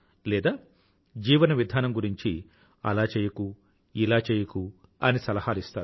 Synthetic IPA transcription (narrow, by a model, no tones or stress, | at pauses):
lɛːd̪aː | d͡ʒiːʋɐnɐʋid̪ʱaːnɐmɡuɾiɲt͡ʃi | ɐ̰laːt͡ʃeːjɐku | ilaːt͡ʃeːjɐku | ɐnisɐlɐhaːlist̪a̰ːɾu